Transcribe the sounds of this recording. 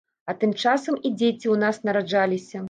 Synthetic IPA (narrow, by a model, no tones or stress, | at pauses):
ɐt̪ɨmt͡ʂasɐmid͡zʲet͡sʲiwnasnɐɾad͡ʐalʲisʲɐ